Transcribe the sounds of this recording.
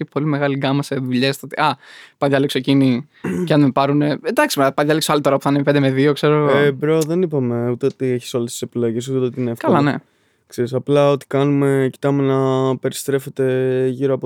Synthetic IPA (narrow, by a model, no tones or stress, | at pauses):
ipolime̞ɣɐliɡɐmɐse̞ðuʎest̪ot̪iʔɐpɐðʝɐleksoecini | cɐnmepɐɾune̞ed̪ɐksimpɐðʝɐleksoɐlit̪o̞ɾɐpu̥θɐnemeped̪eme̞ðio̞kse̞ɾoɣoebɾoðe̞nipɐme̞ut̪eot̪ieçi̥so̞lest̪i̥sepilo̞ʝes̬ut̪et̪eot̪iineɐfkɐlɐne̞̰ | kseɾisɐplɐo̞t̪i̥kɐnume̞ci̥t̪ɐme̞nɐpe̞ɾist̪ɾe̞fe̞t̪e̞ʝiɾoɐpo